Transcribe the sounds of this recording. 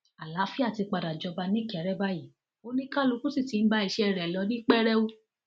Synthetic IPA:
a˨la˨˦fi˦a˦˨ti˧k͡pa˧da˨d͡ʒɔ˧ba˧nĩ˦˨kɛ˨˦ɾɛ˦ba˦ji˨ | o˦nĩ˦ka˦lu˨˧˦kũ˦si˦˨ti˨˧˦n̩˦ba˦i˦˧˨ʃɛ˧ɛ˧˨ɾɛ˨lɔ˨˦nĩ˦k͡pɛ˦ɾɛ˦o˦

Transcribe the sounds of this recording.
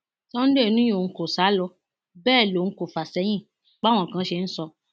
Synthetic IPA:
tɔ˦n̩˦de˦˨nũ˦jo˦˨n̩˦ko˨sa˨˦lɔ˧ | bɛː˦˨lõ˨˦ko˨fa˨sɛ˧˦j̃ĩ˦˨ | ɡ͡ba˦w̃ɔ̃˨kã˧˦ʃe˧n̩˦sɔ˧

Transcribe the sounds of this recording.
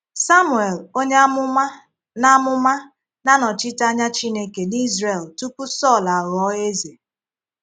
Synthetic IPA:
sa˦mu˨e˨lo˦ɲe˦m˦a˦ | na˦mʊ˦ma˦ | na˦nɔ˨t͡ʃɪ˦ta˦ɲa˦t͡ʃi˦ne˦ke˨ni˦zre˨ltu˦ku˦sɔ˦˨la˨ɣɔ˦e˦ze˨

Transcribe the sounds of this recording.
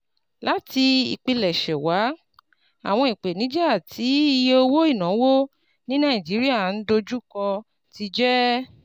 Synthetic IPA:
la˨˦ti˧ḭ˨k͡pi˧lɛ˨ʃɛ˨wa˨˦ | a̰˨w̃ɔ̃˧i˨k͡pe˨nĩ˨˦d͡ʒɛ˦a˦˨tʰi˨˦i˧je˧o˧wo˦i˦˨nã˨˦wo˦ | nĩ˦nã˦i˨d͡ʒi˨˦ɾi˦a˦˨n̩˦do˧d͡ʒu˦kɔ̃˧ | ti˧d͡ʒɛ˦

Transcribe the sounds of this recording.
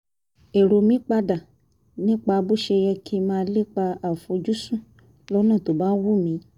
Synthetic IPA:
e˨ɾo˨mĩ˨˦k͡pa˧da˨ | nĩ˦k͡pa˧bu˦ʃe˧jɛ˧kʰi˧˦mãː˧˦le˦k͡pa˧a˨fo˧d͡ʒu˦sũ˦˨ | lɔ˦nã˦˨to˨ba˦n˦wu˦˨mĩ˨˦

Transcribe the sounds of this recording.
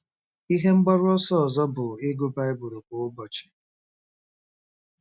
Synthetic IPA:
i˦ɦe˦ŋ͡m̩˦ɡ͡bɔ˦ɾʊ˦ɔ˦sɔ˦ɔ˨zɔ˦bʊ˨ɪ˦ɡu˦ba˦e˦bʊ˨ɾu˨kʷo˨ʊ˦bɔ˨t͡ʃɪ̥˨

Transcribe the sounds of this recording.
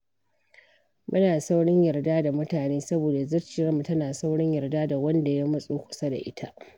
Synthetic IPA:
mʊ˦naː˨sa˦wɽɪ˦ɲjɐ˨rdaː˦da˨mʊ˦taː˨neː˦sɐ˦boː˨da˨zɐ˦rt͡ʃiː˨ɽɐ˦mu˨tɐ˦naː˨sa˦wɽɪ˦ɲjɐ˨rdaː˦da˨wɐ˦nda˨ja˦mɐ˦sʼuː˦kʷʊ̥˨sa˦da̰˨ʔɪ̰˦tʰa˦ʔ

